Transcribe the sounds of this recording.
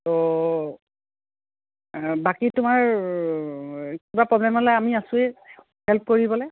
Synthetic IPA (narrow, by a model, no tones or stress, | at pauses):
tɔ | bakitʊmaɹ | kibapɹɔblɛmɔlɔjamiasʊɛ | hɛlp̚koɹibɔlɛ